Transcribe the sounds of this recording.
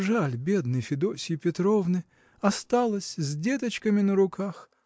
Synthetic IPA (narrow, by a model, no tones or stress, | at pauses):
ʐalʲbʲe̞d̪nɨjfʲɪd̪osʲɪjpʲɪt̪ɾovnɨ | ɐst̪alˠəsʲzʲdʲet̪ət͡ɕkəmʲɪnəɾʊkʰax